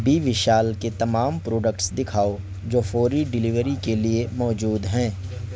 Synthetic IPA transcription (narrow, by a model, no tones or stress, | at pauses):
biʋɪʃaːlket̪ɐmaːmpɾoːɖəkʈsd̪ɪkʰaːo | d͡ʒoːfoːɾiɖɪlɪʋəɾikeliemɔːd͡ʒuːd̪ɦɛ̃ː